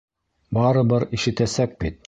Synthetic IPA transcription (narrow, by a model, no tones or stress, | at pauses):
bɑɾɤ̆bɤɾiʃɘ̆t̪æsæk̚bit̪̚